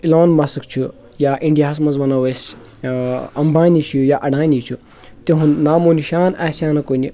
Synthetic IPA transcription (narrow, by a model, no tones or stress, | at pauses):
iloːnmɐsɨkt͡ʃʰu | jaːʔiɳɖijaːs̬mɐnzʋɐnɐwes | ɐmbʱaːnit͡ʃʰujaʔɐɖãːnit͡ʃʰu | t̪eɦunnaːmoːniʃaːnaːsʲaːnɐkonʲi